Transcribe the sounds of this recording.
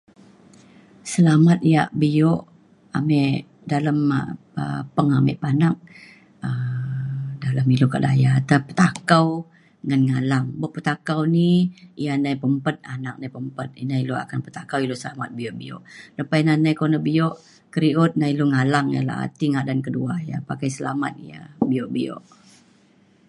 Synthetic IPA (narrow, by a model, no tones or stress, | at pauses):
səlamat̪̚ija̰ʔbijoʔ | amɛʔ | daləm̰ | ə̰pəŋamɛ̰ʔpanak̚ | ə | daləmiluka̰ʔdajat̪əpə̥t̪akaw | ŋanŋalaŋboʔpət̪akawniijanajpəmpət̪̚anak̚najpəmpət̪̚inailua̰kanpət̪akawilosəlamat̪̚biɔʔbiɔ̰ʔləpajnanajkonəhbioʔ | kəɾiʊt̪̚nailuŋalaŋja̰la̰ɦa̰t̪iŋadankəduaja̰pakajsəla̰ma̰t̪̚ija̰biɔʔbio̰ʔ